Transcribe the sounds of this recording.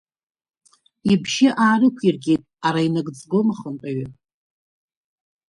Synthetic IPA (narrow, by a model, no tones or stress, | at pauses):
ibʒɪʔaːrɨkʷʰirɡʲejtʼaɾainaɡd͡zɡomaχəntʼaɥa